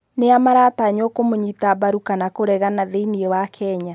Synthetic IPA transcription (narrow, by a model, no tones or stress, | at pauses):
neamaɾaːtaɲwɔkomoɲitabaɾukanakoɾɛɣanaðeiniɛwakʰɛɲa